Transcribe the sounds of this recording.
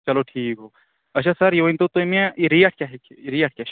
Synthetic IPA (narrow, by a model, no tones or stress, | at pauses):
t͡ʃɐloʈʰiːkɦo | ɐʃʰasɐɾjeʋɐnt̪ot̪oimẽiɾijaʈ̚ʰkʲjaːɦekɾiaʈ̚kʲa